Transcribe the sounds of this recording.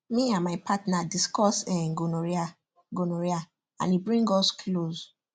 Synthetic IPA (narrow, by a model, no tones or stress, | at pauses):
miãmaɪpʰatnadiskɔsɛ̃ɡonoɹa | ɡonoɹia | ã̰nibɹĩŋɡɔskʰlos